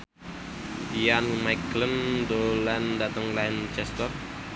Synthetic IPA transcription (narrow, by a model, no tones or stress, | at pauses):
ijanmajklənd̪oland̪at̪əŋlant͡ʃɛst̪ər